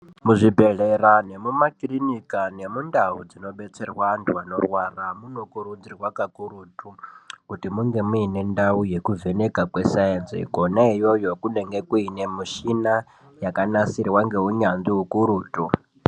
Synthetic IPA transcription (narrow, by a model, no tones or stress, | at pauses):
muʐibʱe̞ɮerane̞mumakirinikane̞mundaɦud͡zino̞ɓe̞t͡se̞rwaantʰuano̞rwaramuno̞kuɾud͡zirwakakuɾutukutimuŋɡe̞muine̞ndauje̞kuve̞ne̞kakwe̞sajenzḭko̞naijo̞jo̞kune̞ŋɡe̞kuine̞muʃina | jakanasirwaŋɡe̞ɦuɲanziukuɾuːtu